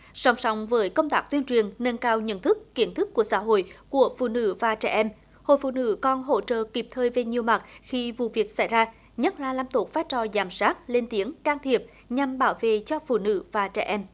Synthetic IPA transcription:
sɔ˨˦wŋ͡msɔ˨˦wŋ͡mvəː˨˦jkə˧wŋ͡mt̪aː˦˥k̚t̪wi˧ənt͡ɕwi˨˩ənnə˧nkaː˧wɲə̰˧˥˨nt̪ʰɨ˦˥kːi˧˩ənt̪ʰɨ˦˥kːu˧˩əsa̰ː˧˥ɦo̰˧˨jku˧˩əfṵ˧˨nɨ̰˧˥vaː˨˩t͡ɕɛ˧˩ʔɛ˧m | ho̰˧˨jfṵ˧˨nɨ̰˧˥kɔ˧˩nɦo̰˧˥t͡ɕə̰ː˧˨ki˨˩p̚t̪ʰəː˧˩jve˨˩ɲi˨˩əwma˨˩t̚xi˧vṵ˧˨vi˨˩ək̚sa˧˩jzaː˧ | ɲə˦˥t̚laː˨˩laː˧mt̪o˨˩faː˦˥jt͡ɕɔ˨˩zaː˨˩msaː˦˥t̚le˧nt̪i˨˦əŋkaː˧ŋt̪ʰi˨˩əp̚ | ɲa˨˩mɓaː˧˩wvḛ˧˨t͡ɕɔ˧fṵ˧˨nɨ̰˧˥vaː˨˩t͡ɕɛ̰ː˧˩ʔɛ˧m

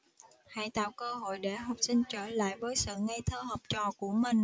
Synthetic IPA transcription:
ha̰ː˧˨jt̪a̰ː˧˨wkəː˧ɦo̰˧˨jɗe˧˩ɦa˨˩wp̚sï˧ŋ̟t͡ɕəː˧˩la̰ː˧˨jvəː˨˦jsɨ̰ː˧˨ŋa˧jt̪ʰəː˧həː˨˩p̚t͡ɕɔ˨˩ku˧˩əmï˨˩ŋ̟

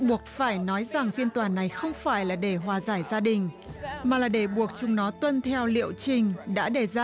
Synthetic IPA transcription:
ɓu˨˩ək̚faː˧˩jnɔ˨˦jza˨˩ŋfi˧ənt̪waː˨˩na˨˩jxə˧wŋ͡mfaː˧˩jlaː˨˩ɗe˧˩ɦwaː˨˩zaː˧˩jzaː˧ɗï˨˩ŋ̟maː˨˩laː˨˩ɗe˧˩ɓu˨˩ək̚t͡ɕʊ˨˧˩ŋ͡mnɔ˨˦t̪wə˧nt̪ʰɛ˧wlḭ˧˨əwt͡ɕï˨˩ŋ̟ɗa̰ː˧˥ɗe˧˩zː

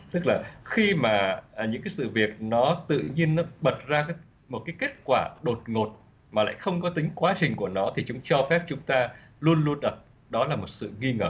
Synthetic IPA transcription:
t̪ɨ˦˥k̚laː˨˩xi˧maː˨˩˨ɲɨ̰˧˥kaː˨˦sɨ̰˧˨vi˨˩ək̚nɔ˨˦t̪ɨ̰˧˨ɲi˧ənːɔ˨˦ɓə˨˩t̚zaː˧kaː˨˦ | mo˨˩kaː˨˦jke˦˥t̚kwaː˧˩ɗo˨˩t̚ŋo˨˩t̚ | maː˨˩la̰ː˧˨jxə˧wŋ͡mkɔ˨˦t̪ï˨˦ŋ̟kwaː˨˦t͡ɕï˨˩ŋ̟ku˧˩ənɔ˨˦t̪ʰi˨˩t͡ɕʊ˨˦ŋ͡mt͡ɕɔ˧fɛ˦˥p̚t͡ɕʊ˨˦ŋ͡mt̪aː˧lu˧ənlu˧ənɗə˨˩t̚ | ɗɔ˨˦laː˨˩mo˨˩t̚sɨ̰˧˨ŋi˧ŋəː˧˩

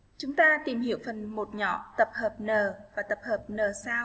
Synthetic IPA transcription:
t͡ɕʊ˨˦ŋ͡mt̪aː˧t̪i˨˩mhḭ˧˨əwfə˨˩nmo˨˩t̚ɲɔ̰˧˥˨t̪ə˨˩p̚həː˨˩p̚nəː˨˩vaː˨˩t̪ə˨˩p̚həː˨˩p̚nəː˨˩saː˧w

